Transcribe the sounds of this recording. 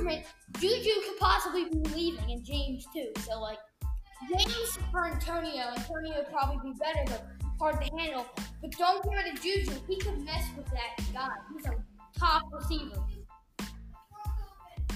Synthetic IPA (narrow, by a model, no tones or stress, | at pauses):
mɨ̃nd̥ʒ̥ʉd͡ʒʉkʰɨd̚pʰɑsəblibibɨlivɪ̃ŋɨ̃nd͡ʒẽɪ̃mz̥tʰʉsoʊlaɪk̚ | ʒẽɪ̃mz̥fə˞æ̃ntʰõʊ̃nioʊæ̃ntʰõʊ̃nioʊɨd̚pʰɹ̥ɑbəblibibɛɾə˞ðəpʰɑɹdd̚ðɨhæ̃ndˡl̩ˠb̥ʌt̚d̥õʊ̃nkʰɛɹɨɾɨd͡ʒʉd͡ʒʉhikʰɨd̚mɛswɨðɨt̚ɡaɪhizə̃ | tʰɑpɹə˞sivə̃˞